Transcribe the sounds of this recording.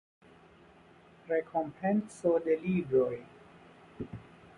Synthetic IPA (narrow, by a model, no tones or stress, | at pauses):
ɾe̞kʰo̞mpʰensode̞liɡɾo̞j